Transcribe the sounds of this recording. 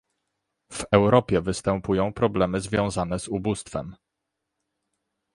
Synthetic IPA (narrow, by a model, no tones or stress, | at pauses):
v̥ɛwɾɔpʲjɛvɘst̪ɛmpujɔ̃w̃pɾɔblɛmɘzvʲjɔ̃w̃zanɛzubust̪fɛ̰m